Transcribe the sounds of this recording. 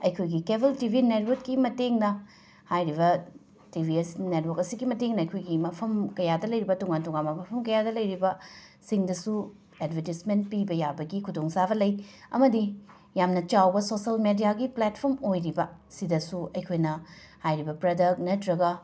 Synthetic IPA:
ɐjkʰojɡikebɐltibʱinet̚wɐkkːimɐteŋnɐ | hajɾibɐ | tibʱiesnet̚wokɐsiɡimɐteŋnɐɐjkʰojɡimɐpʰɐmkɐjadɐlɐjɾibɐtuŋantuŋanmɐmɐpʰɐmkɐjadɐlɐjɾibɐ | siŋdɐsu | edbʱɐtisment̚pibɐjabɐɡikʰudoŋsabɐlɐjɐ̰mɐdi | jamnɐt͡ʃawbɐsosɐlmedijaɡiplet̚pʰoɾmojɾibɐsidɐsuɐjkʰojnɐ | hajɾibɐpɾɐdɐk̚nɐtɾɐɡɐ

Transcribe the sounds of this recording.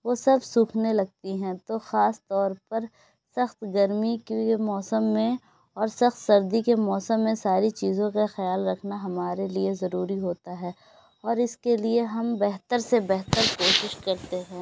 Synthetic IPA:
ʋoːsɐbsũːkʰnelɐɡ̚t̪iɦɛ̃t̪oxaːst̪ɔːɾpɐɾ | sɐxt̪ɡɐɾmikːemɔːsəmːẽ | ɔːɾsɐxt̪sɐɾd̪ikemɔːsəmːẽsaːɾit͡ʃiːzõkaxɪjaːlɾɐkʰnaɦɐmaːɾeliezɐɾuːɾiɦoːt̪aɦɛː | ɔːɾɪskelieɦɐmbɛɦt̪əɾsebɛɦt̪əɾkoːʃɪʃkɐɾt̪eɦɛ̃ː

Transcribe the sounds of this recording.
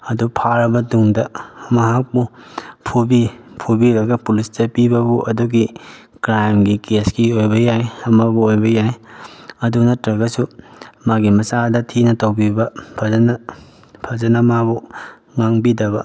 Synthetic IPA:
ɐdupʰaɾɐbɐduŋdɐmɐɦak̚bupʰubipʰubiɾɐɡɐpulisdɐpibɐbuʔɐduɡi | kɾajmɡikesɡiojbɐjajɐmɐbuojbɐjajɐdunɐtɾɐɡɐsumaɡimɐsadɐtʰinɐtowbibɐpʰɐzɐnɐ | pʰɐzɐnɐmabu | ŋaŋbidɐbɐ

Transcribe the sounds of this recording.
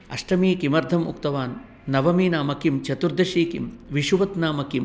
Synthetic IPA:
ɐ̰ʂʈɐmiːkimɐɾd̪ʱɐmṵkt̪ɐʋaːnː | ɐʋɐmiːnaːmɐkimt͡ʃɐt̪uɾd̪ɐʃiːkḭmʋiʃuʋɐt̪naːmɐkim

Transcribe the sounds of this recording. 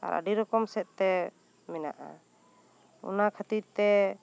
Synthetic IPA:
a̰ɾə̰ɖiɾɔkɔmsɛʔ̪̚t̪ɛ | mɛna̰ʔa̰ | ṵnakʰət̪iɾt̪ɛ

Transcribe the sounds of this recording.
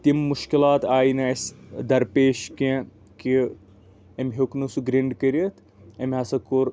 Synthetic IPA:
t̪imːuʃkilaːt̪aːjnɐɐsʲd̪ɐɾpeːʃkẽ | ki | emʲɦoknusuɡɾiɳɖkɐɾiɐt̪ | ɐmɦɐsɐkuɾ

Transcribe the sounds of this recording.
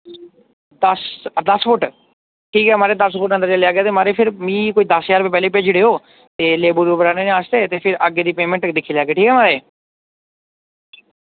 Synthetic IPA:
d̪əsd̪əspʊʈ | ʈʰiːkɦɛːmaːɾeːd̪əspʰʊʈənd̪əɾd͡ʒaːleaːɡɪaːt̪eːmaːɾeːpʰɪɾmĩːkoːiːd̪əsjaːɾbeːpɛːleːpeːd͡ʒɽeːoː | t̪eːleːbuɾubəɾaːneːneaːst̪eːt̪eːpʰɪɾʔəɡeːd̪iːpeːmɛ̃ɳʈd̪ɪkʰːiːleaːɡeːʈʰiːkɦɛːmaːɾeː

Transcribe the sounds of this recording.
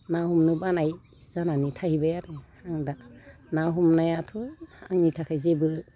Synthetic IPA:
nahumnɯbanaj | zananitʰahibajaɾɯhaŋda | naɦumnajatʰɔaŋnitʰakʰajzebɯ

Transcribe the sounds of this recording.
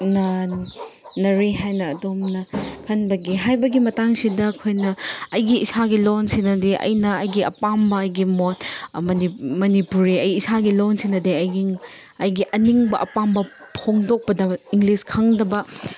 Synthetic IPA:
nɐ | nɐɾiɦajnɐːdomnɐkʰɐnbɐɡiɦajbɐɡimɐtaŋsidɐːkʰojnɐɐjɡiisaɡilonsinɐdeʔɐ̰jnɐɐjɡiɐ̰pambɐɐjɡimot̚mɐnimɐnipuɾiɐjiːsaɡilonsinɐdeɐjɡi | ɐjɡiʔɐniŋbɐʔɐpambɐ | pʰoŋdok̚pɐdɐiŋɡliskʰɐŋdɐbɐ

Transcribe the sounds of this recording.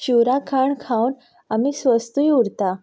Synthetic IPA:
t͡ɕuɾakʰaɳkʰãwn | amiːsʋəst̪ujuɾt̪a

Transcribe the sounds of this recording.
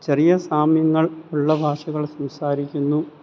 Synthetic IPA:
t͡ɕerijɐsaːmjɐŋːɐɭuɭːɐbʱaːʂɐɣɐɭsɐmsaːɾikʲːunːu

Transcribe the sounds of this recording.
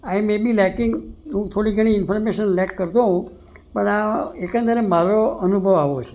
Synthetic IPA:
ajmebilɛkɪŋɡɦũt̪ʰoɽiɡəɽ̃iɪnfɔɾmeʃənlɛkːəɾt̪oɦũ | pəɳaekə̃nd̪əɾemaɾoənubʱəʋaʋot͡ʃʰe̥

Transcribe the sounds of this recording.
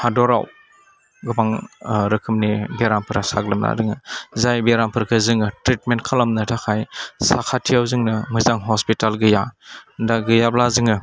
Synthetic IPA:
hadɔɾa̰w | ɡɯmaŋɾɯkʰɯmnibeɾampʰɯɾasaɡlɯmla̰dɯŋɯzajbeɾampʰɯɾkʰɯzɯŋɯtɾitment̚kʰalɔmnɯtʰakʰajsakʰatʰijawzɯŋnɯmɯzaŋɦɔspitalɡɯjadaɡɯjablazɯŋɯ

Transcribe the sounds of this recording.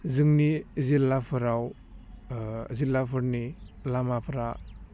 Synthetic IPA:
zɯŋnizilːapʰɯɾaw | zilːapʰɯɾnilamapʰɾa

